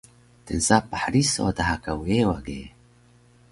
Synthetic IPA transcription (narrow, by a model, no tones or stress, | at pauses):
t̪ɨnzaːpaħɾiso̰d̪aɦakaweːwaɡeː